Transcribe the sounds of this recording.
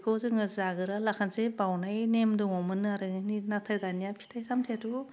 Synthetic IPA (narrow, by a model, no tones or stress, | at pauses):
kʰowzɯŋɯzzaɡɯɾalakʰansebawnajnemdɯŋɔmɯnɯaɾɯninatʰajdanijapʰi̥tʰajsʰamtʰetu